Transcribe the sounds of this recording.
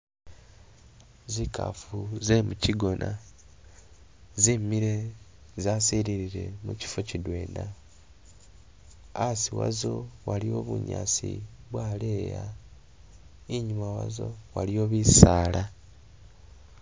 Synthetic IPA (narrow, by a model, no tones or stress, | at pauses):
zikʰa̰fuzemuciɡo̞nʔa | zeːmːiɾe̞ | zasiɾiɾiɾe̞̰mṵci̥focidwe̞ːnda | siwa̰zo̞walio̞βṵɲa̰sḭβwaːleːja | iɲumawa̰zo̞̰walio̞ːβisaːla